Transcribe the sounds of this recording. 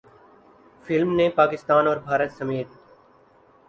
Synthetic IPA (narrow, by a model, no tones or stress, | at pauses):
fɪlmnẽpaːkɪst̪aːnɔːɾbʱaːɾət̪səmeːt̪̚